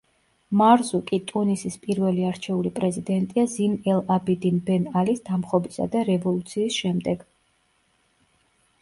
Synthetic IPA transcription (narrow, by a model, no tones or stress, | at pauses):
maɾzukʼit̪ʼunisispʼiɾvɛliaɾt͡ʃʰɛulipʼɾɛzid̪ɛnt̪ʼiazinɛlabid̪inbɛnalisd̪̥amχɔbisa̰d̪aɾɛvɔlˠut̪sʰiːsʃɛmd̪ɛɡ̥